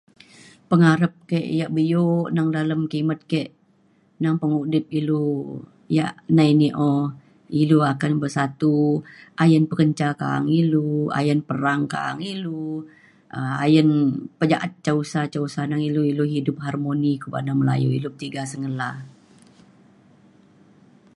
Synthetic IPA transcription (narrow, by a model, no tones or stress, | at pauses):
pəŋaɾəp̚keʔjaʔbəjoʔnaŋdaləmkimət̪̚kɛʔ | naŋpəŋudɪp̚ilu | ja̰ʔnainiʔɔ | iluakanbərsat̪uʔajənpəkəɲt͡ʃaka̰a̰ŋilua̰jənpəɾaŋka̰ːŋilu | ʔəa̰jənpəd͡ʒaʔat̪̚t͡ʃausat͡ʃausanaŋiluiloɦidʊp̚ɦarmonikuba̰naməla̰juilupət̪iɡasəŋəla